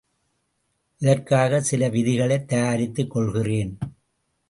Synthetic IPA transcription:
ʔɪðɐrkaːɣɐsɪlɐʋɪðɪɣɐɭɐɪt̪ːɐjaːɾɪt̪ːɯkːɔɭɣɪreːn

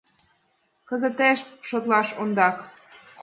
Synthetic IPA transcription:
kə̆zə̆t̪eʃʃot̪lɑʃond̪ɑk

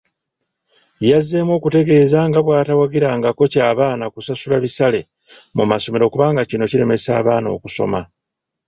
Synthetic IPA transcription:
jazːemwo̞ːkute̞ɡe̞ːzaŋɡaβwaːtawaɡiɾaːŋɡako̞caːβaːnakusasulaβisale̞ | mumaso̞me̞ɾo̞ːkuβaːŋɡacino̞ciɾe̞me̞saːβaːno̞̰ːkuso̞̰ma

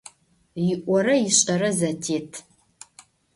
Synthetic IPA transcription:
jɪʔʷɔɾɐjɪɕʼɐɾɐzɐtʰeːtʰ

